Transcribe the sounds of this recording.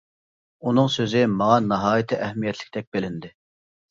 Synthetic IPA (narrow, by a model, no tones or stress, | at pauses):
unɨŋsøzɪmɑŋɑnɑɦɑːjt̪ʰɨʔɛhmijɛt̪ʰlɪ̥kʲt̪ʰɛk̚ʲbelɪnd̪ɪ